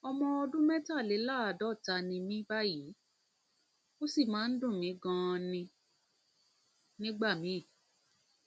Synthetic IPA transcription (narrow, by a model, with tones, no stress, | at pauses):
ɔ˧mɔ̃˧ɔ˧dũ˦mɛ̃˦ta˦˨le˨˦la˦˨a˨dɔ˨˦˨ta˧nĩ˧mĩ˦ba˦ji˨˦ | o˦si˦˨mãː˨˦n̩˦dũ˦˨mĩ˨˦ɡã˧nĩ˧ | nĩ˦ɡ͡ba˦˨mĩ˨˦˨